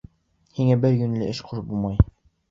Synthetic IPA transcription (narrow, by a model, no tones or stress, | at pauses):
hiŋæbɘɾɡɵ̆nlɘʔɘʃqʰuʃbulˠmɑj